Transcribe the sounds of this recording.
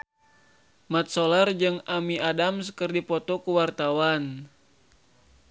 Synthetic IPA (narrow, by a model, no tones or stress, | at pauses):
mat̪̚solard͡ʒɨŋamiʔadamskərdipɔt̪ɔkuwart̪awan